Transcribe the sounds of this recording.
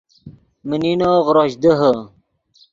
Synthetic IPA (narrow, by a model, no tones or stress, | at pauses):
məninoːʁɾoɕd̪əɦə